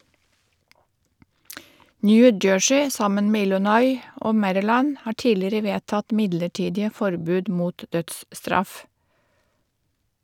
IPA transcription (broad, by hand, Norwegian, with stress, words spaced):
ˈnjʉː ˈd͡ʒøːʃɪ ˈsɑmən ˈmeː ˈɪlʊnɔʏ ˈʔoː ˈmæɾɪˌlæn ˈhɑː ˈʈiːlɪɾə ˈʋeːtɑt ˈmɪdləˌʈiːdɪə ˈfɔɾbʉːd ˈmuːt ˈdœtsˌstɾɑf